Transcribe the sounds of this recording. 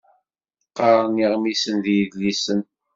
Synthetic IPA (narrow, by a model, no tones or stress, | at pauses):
qːɑɾˤəniʁmisənðjəðlisən